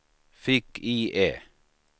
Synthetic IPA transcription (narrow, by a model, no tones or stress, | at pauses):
fɪkiːʔeː